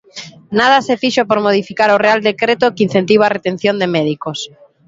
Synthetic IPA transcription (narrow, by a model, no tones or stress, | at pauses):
nað̞asefiʃopoɾmoð̞ifikaɾoreald̪ekɾet̪okin̟θent̪iβaret̪en̟θjõnd̪emɛðikos